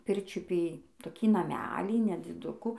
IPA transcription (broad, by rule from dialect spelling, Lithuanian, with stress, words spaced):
ˈpʲɪrʲt͡ʃʲʊpʲiː toːˈkʲiː nɐˈmʲæːlʲiː nʲɛd͡zʲɪˈdʊkʊ